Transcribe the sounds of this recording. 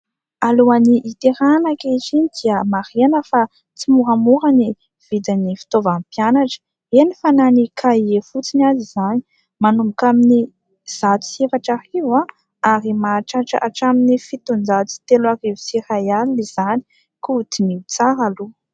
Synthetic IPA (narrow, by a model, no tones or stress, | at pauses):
aluaniʔːt̪eɾanakit͡ʃinid̪̥iəmaɾenəfa | t͡simuɾamuɾani | v̥id̪anifi̥t̪ovampjanaʈ͡ʂə̥ | enifananikʰaiefut͡sinazizani̥ | manumbukamini | z̥at̪u̥sefaʈ͡ʂariva | aɾimaʈ͡ʂaʈ͡ʂə̰ʔaʈ͡ʂaminifit̪und͡zat͡si̥t̪eluarivusirajaliliz̥ani̥ | kut̪iniut͡saɾalu